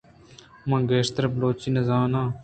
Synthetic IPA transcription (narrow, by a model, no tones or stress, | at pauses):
mɐ̃ŋɡeːʂt̪ɐɾbloːt͡ɕinɐzaːnãː